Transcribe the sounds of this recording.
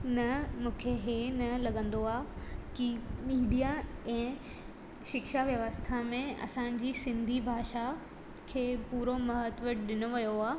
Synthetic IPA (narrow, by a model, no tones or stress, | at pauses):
nɐmũːkʰeɦenɐlɐɠə̃nd̪oaːkimiːɗijaɛ̃ː | ʃɪkʃaʋjɐʋəst̪ʰamẽɐ̰sãɪ̃ɲd͡ʑisɪ̃nd̪ʱibʱaːʃa | kʰeːpuːɾomɐɦət̪ʋəʈɗɪnoʋijoaː